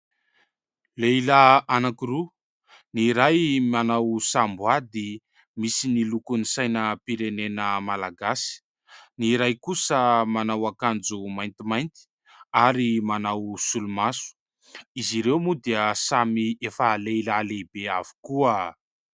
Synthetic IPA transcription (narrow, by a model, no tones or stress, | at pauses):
leilaanakiru | niɾajmanawsambuad̪i | misinilukunisajnəpiɾenenəmalaɡasi̥ | niɾajkusəmanawakand͡zumajnt̪imajnt̪i̥ | aɾimanawsulumasu̥ | iziɾewmud̪eəsamiefəleilaleibeavi̥kuə